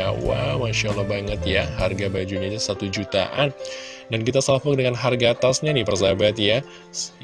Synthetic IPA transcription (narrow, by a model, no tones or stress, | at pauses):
wa̰maʃalahbaŋət̪jaharɡabad͡ʒuɲad͡ʒasat̪ud͡ʒut̪a̰ʔan | dankit̪asapʊk̚dəŋanɦarɡaːt̪asɲanipərzabat̪ja